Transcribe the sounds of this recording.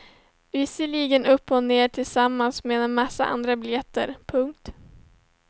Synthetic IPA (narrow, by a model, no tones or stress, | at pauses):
vɪsəɭiːɡənɵpːɔneːʈʰɪlsamːansmemasːa̰ʔa̰nd̪ɾabɪljɛt̪ːə̰ɾpʰɵŋk̚t̪